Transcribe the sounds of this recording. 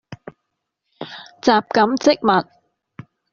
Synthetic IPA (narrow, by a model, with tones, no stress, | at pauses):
t͡saː˨p̚kɐ˨˥mt͡sɪ˥k̚mɐ˨t̚